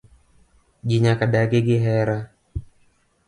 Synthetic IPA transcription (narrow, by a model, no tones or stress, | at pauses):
d͡ʒiɲakaɗaɡeɡiɦɛɾa